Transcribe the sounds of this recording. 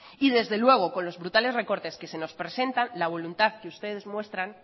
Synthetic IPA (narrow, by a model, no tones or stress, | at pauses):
ið̞e̞zðe̞lwe̞ɣ̞o̞kõ̞nlo̞zβɾut̪ale̞zre̞ko̞ɾt̪eske̞se̞no̞spɾe̞se̞nt̪anlaβ̞o̞lunt̪aðkeust̪e̞ð̞e̞zmwe̞st̪ɾan